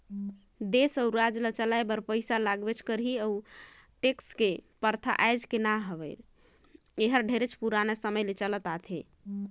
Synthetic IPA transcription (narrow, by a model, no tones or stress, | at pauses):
d̪esəuɾad͡ʒlət͡ʃəlajbəɾpəjsalaɡbet͡ʃʰkəɾɦiəu | ʈekskepəɾt̪ʰa̰ʔajd͡ʒkenaɦəbḛl | eɦəɾɖʱeɾet͡ʃʰpuɾanesəməjlet͡ʃələt̪at̪ʰe